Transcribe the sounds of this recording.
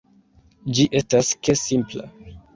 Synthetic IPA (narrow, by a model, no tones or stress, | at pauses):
d͡ʒiʔe̞staskesimpla̰